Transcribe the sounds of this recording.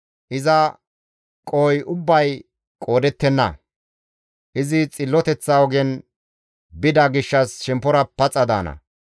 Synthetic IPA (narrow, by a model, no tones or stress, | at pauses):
ʔɪzɐ | kʼoːjʔʊbːɐj | kʼo̞ːd̪ɛt̪ːɛnːɐ̰ | ʔɪzɪt͡sʼɪlːɔt̪ɛt͡sːaːwɔɡɛn | bɪd̪ɐɡɪʃːɐsʃɛmpːɔɾɐpɐt͡sʼːɐd̪a̰ːnɐ̰